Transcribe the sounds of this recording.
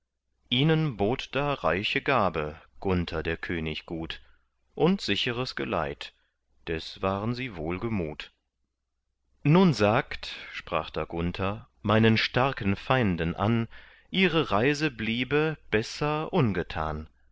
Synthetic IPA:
ʔiːnənboːtd̥aːʁaɪçəɡaːbəɡ̥ʊntʰɐdeːɐkʰøːnɪçɡ̥uːt | ʔʊntz̥ɪçəʁəsɡ̥ə̰la̰ɪt | d̥ɛsv̥aːʁənziːvoːlɡəmuːt | nuːnzaːktʃpʁ̥a̰ːχd̥aːɡʊntʰɐ | maɪnənʃtaɐkən̩faɪndənʔa̰n | ʔiːʁəʁaɪzəbliːbəb̥ɛsɐʔʊnɡətʰa̰ːn

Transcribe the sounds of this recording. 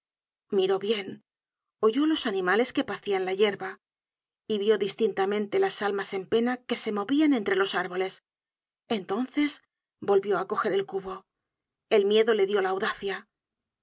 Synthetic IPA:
miɾo̞βje̞n | o̞ʝo̞lo̞sanĩmale̞ske̞paθianlaʝe̞ɾβa | iβjo̞ðist̪int̪amẽ̞nt̪e̞lasalmase̞mpe̞nake̞se̞mo̞βiane̞nt̪ɾe̞lo̞saɾβo̞le̞s | e̞nt̪o̞nθe̞s | bo̞lβjo̞ako̞xe̞ɾe̞lkuβo̞ | e̞lmje̞ðo̞le̞ðjo̞laːwðaθja

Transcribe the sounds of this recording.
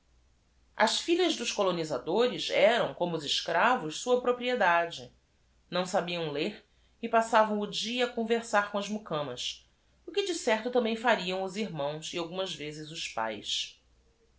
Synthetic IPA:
ɐ̰ʃfiʎɐʒd̪ʊʃkolonizad̪oɾɪzɛɾɐ̃w̃kõmʊʊzɪʃkɾavʊʃsuɐpɾopɾied̪ad͡ʒɪ | nɐ̃w̃sabiɐ̃w̃leɾ | ɪpasavɐ̃w̃ʊd͡ʒiɐːkõveɾsaɾkõɐzmukɐ̃mɐs | ʊkɪd͡ʒɪsɛχt̪ʊt̪ɐ̃mbẽj̃faɾiɐ̃w̃ʊziɾmɐ̃w̃siawɡũmɐzvezɪzʊʃpa̰js

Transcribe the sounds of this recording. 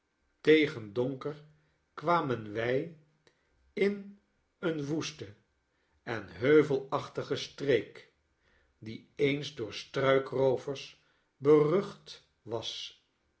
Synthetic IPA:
tejχəndoŋkəɹ | kʋaːmənʋɛj | ɪn | ənʋustə | ɛnɦøɥvəlˠɑχtəχəstrejk | diejnzdʊːɹstrœɥkrowvəɹs | bərɵχt | ʋɑs

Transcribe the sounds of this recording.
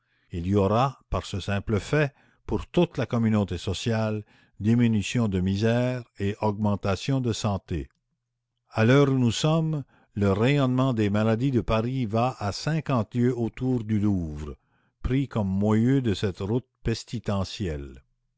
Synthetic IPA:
iliɔʁapaʁsəsɛ̃pləfɛ | puʁt̪ut̪lakɔmynot̪esɔsjal | d̪iminysjɔ̃d̪əmizɛʁeʔɔɡmɑ̃t̪asjɔ̃d̪əsɑ̃t̪e | alœːʁunusɔm | ləʁejɔnmɑ̃d̪emalad̪id̪əpaʁivaʔasɛ̃kɑ̃t̪ljøot̪uːʁd̪yluːvʁə | pʁikɔmːwajød̪əsɛt̪ʁut̪̚pɛst̪it̪ɑ̃sjɛl

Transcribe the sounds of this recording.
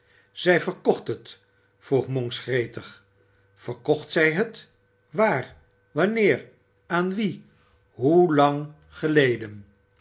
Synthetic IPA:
z̥ɛjvəɹkɔχtɦət | fruχmɔŋsχrejtəχ | fəɹkɔχtsɛjɦət | ʋaːr | ʋɑnɪːr | aːnʋi | ɦulɑŋ | χəlejdən

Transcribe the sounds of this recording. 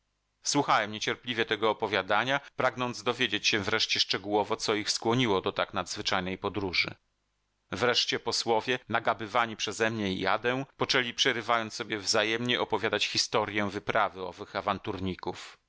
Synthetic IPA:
swuxawɛmɲet͡ɕɛɾplʲivʲjɛt̪ɛɡɔːpɔvʲjad̪aɲapɾaɡnɔnd̪zd̪ɔvʲjed͡ʑet͡ɕɕɛ̃vɾɛʂt͡ɕɛʂt͡ʂɛɡuwɔvɔt̪sɔixskwɔɲiwɔd̪ɔt̪aknad̪zvɘt͡ʂajnɛjpɔd̪ɾuʐɘ̰ | vɾɛʂt͡ɕɛpɔswɔvʲjɛnaɡabɘvaɲipʂɛzɛmɲɛḭja̰d̪ɛw̃pɔt͡ʂɛlʲipʂɛɾɘvajɔnt̪sːɔbʲjɛvzajɛmɲɛʔɔpɔvʲjad̪at͡ɕxʲist̪ɔɾʲjɛvɘpɾavɘɔ̰vɘxavant̪uɾɲikuf

